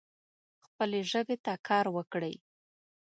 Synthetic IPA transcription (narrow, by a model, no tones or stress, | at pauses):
xpəleʒəbet̪akʰɑɾwəkɽə̰j